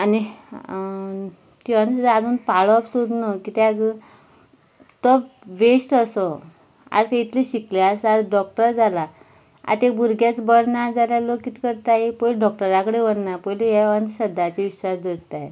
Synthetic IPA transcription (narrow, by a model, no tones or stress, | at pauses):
ani | t̪ianad͡zuːnpaɭɔəpsod̪nɔkit̪aɡ | t̪ɔpʋesʈəsɔ | a̰d͡zkeit̪liɕikleasad͡zɖɔk̚ʈəɾd͡zala | a̰t̪ekbuɾɡjat͡sbəɽnad͡zaljalokit̪kəɾt̪ajepɔjlɖɔk̚ʈəɾakəɽeʋəɽnapɔjlejɛʋənɕəd̪at͡ɕiʋiɕaɾd̪iɽt̪ae